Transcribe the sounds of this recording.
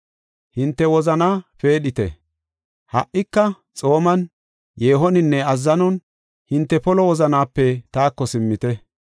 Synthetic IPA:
hɪnt̪ːɛwɔzɐnaːfe̞ːɗɪt̪ɛ̰ | hɐ̰ʔɪkːɐ | t͡sʼo̞ːmɐn | je̞ːɦɔnɪnːɛɐzːɐnɔn | hɪnt̪ːɛpɔlɔwɔzɐnaːpːɛt̪aːkːɔsɪmːɪt̪ɛ

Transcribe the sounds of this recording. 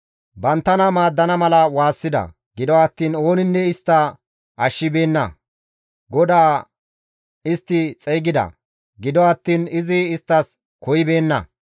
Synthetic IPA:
bɐnt̪ːɐnɐmaːd̪ːɐnɐmɐlɐwaːsːɪd̪ɐ̰ | ɡɪd̪ɔɐt̪ːiːno̞ːnɪnːɛɪst̪ːɐ | ɐʃːɪbe̞ːnːɐ̰ | ɡɔd̪aː | ɪst̪ːɪt͡sʼɛjɡɪd̪ɐ̰ | ɡɪd̪ɔɐt̪ːiːnɪzɪːst̪ːɐs | kɔjɪbe̞ːnːɐ̰

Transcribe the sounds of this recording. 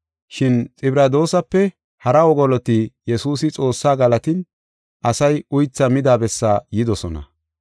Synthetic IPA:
ʃɪnt͡sʼɪbɾɐd̪o̞ːsɐpːɛ | hɐɾɐwɔɡɔlɔt̪ijɛsuːsɪt͡sʼo̞ːsːaːɡɐlɐt̪ɪn | ʔɐsɐjʊjt͡sːɐmɪd̪aːbɛsːaːjɪd̪ɔsɔnɐ̰

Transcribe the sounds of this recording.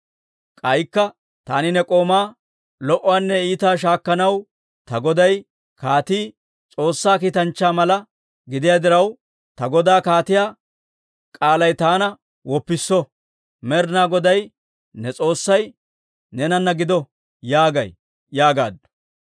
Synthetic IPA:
kʼɐjkːɐ | t̪a̰ːnɪnɛkʼo̞ːmaː | lɔʔːaːnːɛiːt̪aːʃ̬aːkːɐnɐw | t̪ɐɡɔd̪ɐj | kaːt̪iː | t͡sʼo̞ːsːaːk̬iːt̪ɐnt͡ʃːaːmɐlɐ | ɡɪd̪ɪjad̪ɪɾɐw | t̪ɐɡɔd̪aːkaːt̪ɪjaː | kʼaːlɐjt̪aːnɐ | wɔpːɪsːɔ | mɛɾnaːɡɔd̪ɐj | nɛt͡sʼo̞ːsːɐj | nɛnɐnːɐɡɪd̪ɔ | jaːɡɐ̰j | jaːɡa̰ːd̪

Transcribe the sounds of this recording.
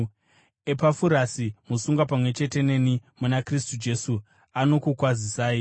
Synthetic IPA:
epafuɾasimusuŋɡapamwe̞t͡ʃe̞te̞ne̞nimunakristud͡ʒe̞su | ano̞kukwazisaːi

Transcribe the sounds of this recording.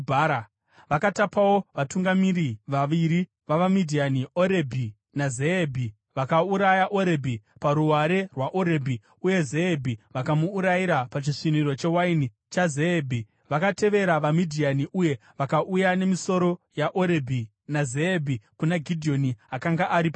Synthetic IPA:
aɾa | ʋakatapawo̞ʋatuŋɡamiɾiʋaʋiɾi | ʋaʋamidʱianioɾe̞bʱi | nazebʱi | ʋakauɾajaʔo̞ɾebʱipaɾuwaɾerwaʔoɾe̞bʱi | uje̞zeːbʱiʋakamuːɾajiɾapat͡ʃiʂiniɾo̞t͡ʃe̞waini | t͡ʃazeːbʱi | ʋakate̞ʋe̞ɾaʋamidʱianiʔuje̞ʋakaʔujane̞miso̞ɾo̞jaʔoɾebʱi | nazeːbʱikunaɡʱidʱio̞niakaŋɡaʔaɾipa

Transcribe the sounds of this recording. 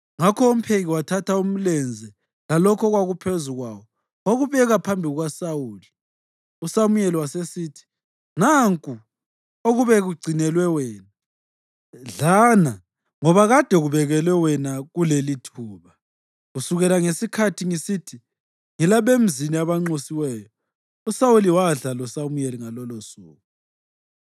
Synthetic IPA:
ŋakʰɔom̩pʰeɣiwatʰatʰaum̩lɛnd͡zʱɛ | lalɔkʰɔɣwaɣupʰezuɣwawɔ | oɣuβɛɣapʰambʱiɣwasawuːli | usamujɛliwasesiːtʰi̥ | ŋaŋkʼu | oɣuβɛɣuɡ͡ǀʱinɛlwɛwɛːna | ɮaːna | ŋɔβaɣad̥ʱɛɣuβɛɣɛlwɛwɛnaɣulelitʰuːβa | ɣusuɣɛlaŋesikʰatʰiŋisitʰi | ŋilaβem̩ziniaβaŋ͡ǀosiwɛːjɔ | usawuliwaɮalɔsamujeliŋalɔlosuːɣu

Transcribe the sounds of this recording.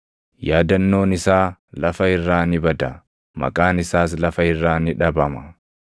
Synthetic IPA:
jaːd̪ɐnːo̞ːnɪsaːlɐfɐɪrːaːnɪbɐd̪ɐ | mɐ̰kʼaːnɪsaːs̬lɐfɐɪrːaːnɪᶑɐbɐmɐ

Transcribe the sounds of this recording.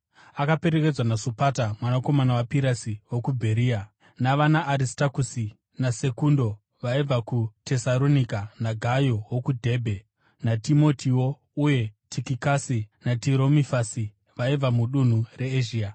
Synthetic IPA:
akape̞ɾe̞ke̞d͡zwanasopatamwanako̞manawapiɾasiwokubʱe̞ɾiːa | naʋanaʔːɾistakusi | nase̞kundo̞ | ʋaib͡vakute̞saɾo̞nikanaɡʱajowokudʱe̞ːbʱe̞ | natimo̞tʰiwo̞ | uje̞tʰikikasinatiɾo̞mifasi | ʋaib͡vamuɗun̤ure̞ːʒiːa

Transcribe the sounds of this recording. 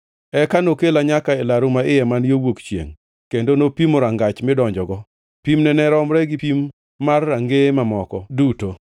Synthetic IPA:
ɛkanokelaɲakaɛlaɾumaɪjɛmanjowokt͡ʃjḛŋ | kendonopimoɾaŋɡat͡ʃmɪdɔɲd͡ʒɔɡɔ | pimnɛnɛɾɔmɾɛɡɪpimː | arːaŋɡemamɔkɔduto

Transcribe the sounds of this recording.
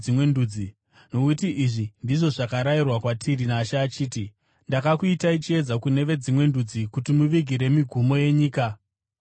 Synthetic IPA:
imwe̞nduːd͡zi | nokutiʔiʐindiʐo̞ʐakaɾairwakwatʰiɾinaʃaːt͡ʃiːti | ndakakuitait͡ʃie̞d͡zakune̞ʋe̞d͡zimwe̞ndud͡zikutimuʋiɡʱiɾe̞miɡʱumo̞je̞ɲiːka

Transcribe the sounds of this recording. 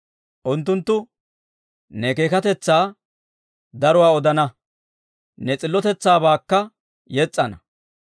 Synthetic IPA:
ʔʊnt̪ːʊnt̪ːʊ | nɛke̞ːkɐt̪ɛt͡sːaː | d̪ɐɾɔwaːɔd̪ɐnɐ | nɛt͡sʼɪlːɔt̪ɛt͡sːaːbaːkːɐ | jɛt͡sʼːɐnɐ

